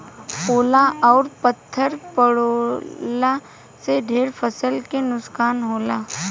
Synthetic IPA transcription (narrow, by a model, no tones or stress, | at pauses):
oːlaʔɔːɾpət̪ʰːəɾpəɽoːla | seɖʱeːɾpʰəsəlkenʊskaːnɦoːlaː